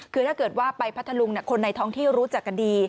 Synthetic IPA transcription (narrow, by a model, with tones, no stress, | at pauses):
kʰɯː˧t̪ʰaː˥˩kɤː˨˩t̪̚waː˥˩pa˧jpʰa˦˥t̪ʰːa˧lu˧ŋni˥˩kʰo˧nːa˧jt̪ʰɔː˥˩ŋt̪ʰiː˥˩wɾuː˦˥t͡ɕa˨˩kʰːa˧diː˧